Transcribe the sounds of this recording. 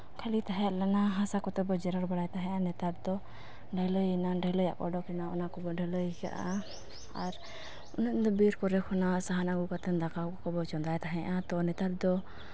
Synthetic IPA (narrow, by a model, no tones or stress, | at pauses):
kʰalit̪aɦɛʔlanaɦãsakɔt̪ɛbɔd͡ʒɛɾaɾbaɽajt̪aɦɛ̃ʔanɛt̪aɾ̚d̪ɔ | ɖʱəlɔjinaɖəlɔja̰ʔkɔ̰ɖɔkɛnaɔnakɔbɔɖʱɛlɔjka̰ʔa | aɾ | ɔnɛt̪d̪ɔbiɾkɔɾɛkʰɔnasaɦanaɡukat̪ɛnd̪akawkkɔbɔt͡ʃɔnd̪ajt̪aɦɛ̃ʔat̪ɔnɛt̪aɾ̚d̪ɔ